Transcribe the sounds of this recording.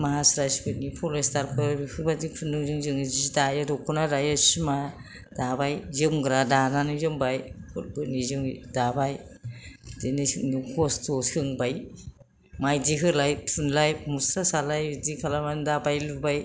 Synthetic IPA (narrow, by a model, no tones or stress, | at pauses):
maɦasɾajsbɯnipʰɔlestaɾpʰɯɾbikʰɯɾbadipʰundɯŋzɯŋzɯŋzidajadɔkʰɔnaɾajasima | d̥abajzɯmɡɾadananizɯmbajkʰɔɾbɯnizɯŋdabaj | d̥enisnikʰɔstɔsɯŋbaj | majdiɦɯlajpʰɯnlajmusɾasalajdikʰalamandabajlubaj